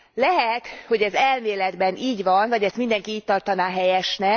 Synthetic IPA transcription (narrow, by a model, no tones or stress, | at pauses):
lɛɦɛt̪ho̞ɟɛzɛlmeːlɛd̪bɛniːɟvɒnvɒɟɛst̪mind̪ɛŋkiiːc̚t̪ɒrt̪ɒnaːɦɛjɛʃnɛ